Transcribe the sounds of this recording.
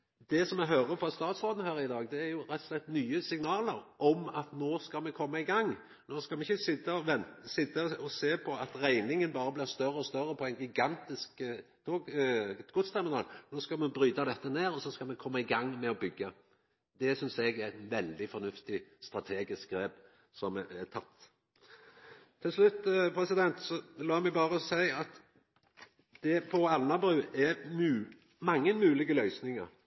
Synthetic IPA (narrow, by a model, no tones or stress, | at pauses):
d̪̥ɛsɔmɛɦøːɾəfɔst̪ɑːt̪sʁoːd̪n̩əhæːɾɪd̪ɑːɡd̪ɛæɾjʊɾɛt̪ːɔ̥slɛt̪ːnyːəsɪŋnɑːləɾʔɔmɑt̪noːskɑmɛkʰɔmːɑɪɡɑŋː | noːskɑlmɛɪçəsɪt̪ːəɔʋɛnt̪sɪt̪ːəɔseːpʰɔɑt̪ɾæɪnɪŋənbɑːɾəblɪʁst̪œɾəɔst̪œɾəpʰɔæɪnɡɪɡɑnt̪ɪsk | t̪ʰoːɡɡʊt̪st̪æɾmɪnɑ̰ːlnoːskɑmɛbɾyːd̪ɑd̪ɛt̪ːəneːɾɔsɔskɑmɛkʰɔmːɑɪɡɑŋːmɛɔbʏɡːə | d̪ɛsʏnsɛɡɛɛt̪ʋɛld̪ɪfɔnʉft̪ɪst̪ɾɑt̪ʰeːɡɪsk̚ɡɾeːb | sɔmɛt̪ʰɑt̪ː | t̪ʰːɪlslʉt̪ːpʰɾɛsɪd̪ɛnt̪sɔlɑːmɛɡbɑːɾəɔsæɪɑt̪ | d̪̥ɛpʰɔɑlnɑbɾʉːɛmʉː | mɑŋːənmʉːlɪɡəlœʏsnɪŋəɾ